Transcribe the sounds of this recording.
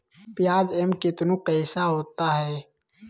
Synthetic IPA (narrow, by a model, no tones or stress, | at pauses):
pɪjaːd͡ʒɛmkɪt̪nũqɛɪsaɦoːt̪aɦɛː